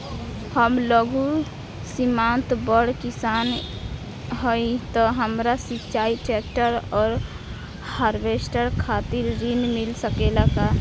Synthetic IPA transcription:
həmləɡu | simant̪bəɽkisaːn | ɦəit̪ɔɦəmɾasit͡ʃaːiʈɛk̚ʈəɾɔːɾ | haːɾbesʈəɾkʰaːt̪iɾɾinmɪlsəkelaka

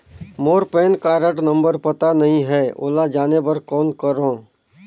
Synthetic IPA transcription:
moːɾpeːnkaːɾəʈnə̃mbəɾpət̪anɐɦĩɦɛːʔo̰ːlad͡ʒaːnebɐɾkɔːnkəɾõː

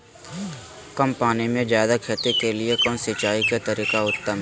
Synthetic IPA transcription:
kɐmpaːnimẽd͡ʒjaːd̪akʰeːt̪ekeliekɔ̃nsɪt͡ʃaːikat̪ɐɾiːkaʊt̪ːəm

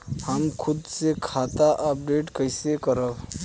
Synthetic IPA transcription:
həmkʰʊd̪sekʰat̪aʔəp̚ɖeːʈkəɪsekəɾəb

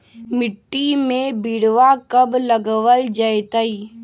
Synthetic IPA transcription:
mɪʈːimẽbiɽʋakəbləɡʋəld͡ʒajt̪əi

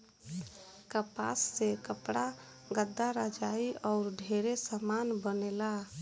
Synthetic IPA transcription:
kəpa̰sːekəpɽa | ɡəd̪ːaɾad͡ʒaiɔʊɾɖʱeɾesəmanbənela

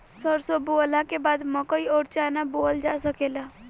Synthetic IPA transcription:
sɔɾsobolãkebaːd̪mə̃koiɔːɾt͡ʃaːnaboːld͡ʒaːsəkeːlaː

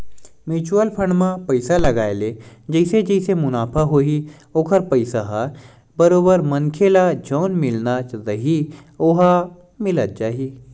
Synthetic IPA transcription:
mɪt͡ʃuəlpʰə̃ɳɖmãpɐɪsalɐɡaːeled͡ʒɐɪsed͡ʒɐɪsemʊnaːpʰaɦoːi | oːkʰəɾpɐɪsaɦaːɾ | bɐɾoːbəɾmɐnkʰelad͡ʒʱɔːnmɪlnat͡ʃɾɐɦioːɦa | mɪlət̪̚t͡ʃaːɦiː

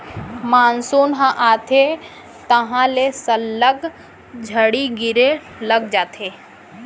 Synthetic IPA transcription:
maːnsoːnɦãʔaːt̪ʰe | t̪ɐɦãlesɐlːəɡ | d͡ʒʱəɽiɡɪɾe | ləɡd͡ʒaːt̪ʰeː

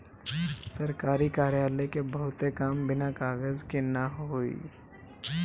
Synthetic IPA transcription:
sɐɾkaːɾikaːɾjaːlekebɐɦʊt̪ekaːmbɪnakaːɡəzkinaɦʊḭː

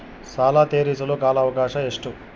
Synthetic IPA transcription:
saːlaːt̪eːɾiːsɐloːkaːlɐːʋɐkaːʂɐeʂʈu

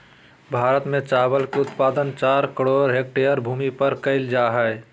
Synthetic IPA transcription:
bʱaːɾət̪mẽt͡ʃaːbəlkeʊt̪paːd̪ənt͡ʃaːɾkəɽoːɾɦek̚ʈeəɾbʱuːmipəɾkəɪld͡ʒaːɦɛɛ

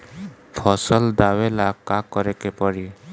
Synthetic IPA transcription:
pʰɔsɔld̪awelakakɔɾekepɔɽi

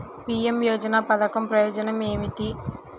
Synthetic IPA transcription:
piːemjɔːd͡ʒɐnaːpɐd̪ɐkɐmpɾɐjɔːd͡ʒɐnɐmeːmit̪i

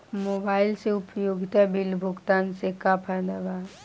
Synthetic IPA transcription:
moːbaːɪlseʊpjoːɡɪt̪abɪlbʱʊɡt̪aːnsekapʰəd̪əʋa

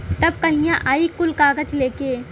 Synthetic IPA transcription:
t̪ɐb̚kɐɦĩjãʔaːikʊlkaːɡəd͡ʒleːkeː

